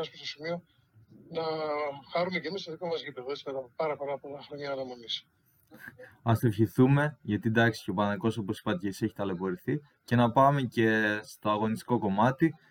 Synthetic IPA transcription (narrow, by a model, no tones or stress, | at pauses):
ɐspost̪osimio | nɐxɐɾume̞ce̞mist̪o̞ðiko̞mɐzʝip̪evesinɐt̪ɐmpɐɾɐpɐɾɐpo̞lɐxɾoɲɐːnɐmonis | ɐse̞fçiθume̞ʝɐt̪id̪ɐksi̥cepɐnɐðiko̞so̞po̞si̥pɐt̪ecei̥se̞çi̥t̪ɐle̞po̞ɾiθi | ce̞nɐpɐme̞ce̞st̪o̞ɐɣo̞nist̪i̥ko̞ko̞mɐt̪i